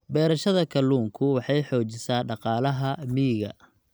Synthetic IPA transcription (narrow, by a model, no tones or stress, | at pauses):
bɛːɾɐʃɐðɐkʰɐlːuːŋkʰʊwɑħɑjħɔːt͡ʃɪsaːɖɑqɑːlɐɦɐmiːɣɐ̰